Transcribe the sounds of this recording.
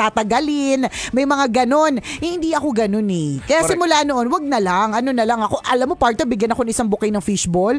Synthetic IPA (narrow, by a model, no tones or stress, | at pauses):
t̪aːt̪ɐɡɐlɪnmɐjmɐŋaɡɐno̞nʔɪnd̪iʔɐko̞ɡɐno̞nɛkɐjasɪmʊlaːnoʔo̞nwɐɡ̚nɐlaŋʔɐno̞nɐlɐŋɐko̞ʔɐlamːopaɹt̪obɪɡjɐnɐkoɐŋʔɪsaŋbʊkɐjnɐŋfiʃbol